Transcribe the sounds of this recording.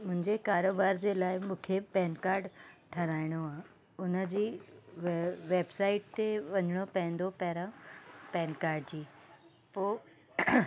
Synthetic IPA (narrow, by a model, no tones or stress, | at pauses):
mʊ̃ɦɪ̃ɲd͡ʑekaːɾoːbaːɾd͡ʑeːlaːɪmũːkʰepɛːnkaːɾɖʈʰɐɾaːɪɽ̃oã | ʊnəd͡ʑiː | ʋeːbsaːɪʈ̚t̪eʋɐɲəɽ̃opɐ̃ɦɪ̃nd̪opɐɦɾãpɛːnkaːɾɖd͡ʑiː | poː